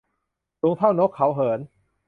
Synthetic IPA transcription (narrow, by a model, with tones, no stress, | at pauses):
su˨˦ŋt̪ʰa˥˩wno˦˥kʰːa˦˥wɦɤː˩˦n